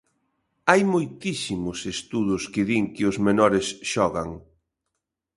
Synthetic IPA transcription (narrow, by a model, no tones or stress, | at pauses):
ajmojt̪isimʊsest̪uðʊskɪðiŋkɪʊzmenɔɾɪsʃɔɣaŋ